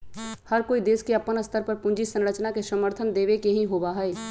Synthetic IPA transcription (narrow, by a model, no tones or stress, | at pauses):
həɾkoːid̪eːskeɐpːənəst̪ʰəɾpəɾpʊ̃nd͡ʒisə̃nɾət͡ʃnakesəməɾt̪ʰənd̪eːʋekeɦĩɦoːbaɦɛeː